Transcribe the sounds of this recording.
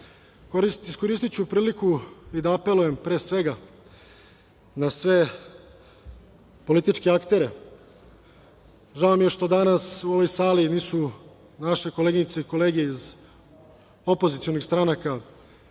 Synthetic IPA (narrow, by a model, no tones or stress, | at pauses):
isko̞ɾist̪it͡ɕupɾiːlikuid̪aːpe̞luje̞mpɾe̞ːsʋe̞ɡa | nasʋe̞ | po̞lit̪it͡ʃkeakt̪e̞ɾe̞ | ʒaomije̞ʃt̪o̞d̪anasuo̞ʋo̞jsaːliniːsu | naʃe̞ko̞leːɡiɲit̪seiko̞le̞ːɡejeiz | o̞pozit̪sio̞nixst̪ɾanaka